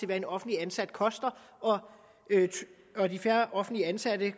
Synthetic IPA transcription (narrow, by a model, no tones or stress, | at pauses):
e̝ʋæɐe̝nɒ̽fn̩dliænsæd̥kʰɒ̽sd̥ɐ | ʔɒ̽ | ø | ɒdifæɐʔɒ̽fn̩̥liəænsæd̥ə